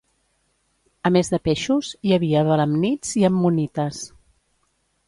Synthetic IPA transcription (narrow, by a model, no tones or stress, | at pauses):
əmezðəpeʃuzjəβiəβələmnid͡ziəmːunit̪əs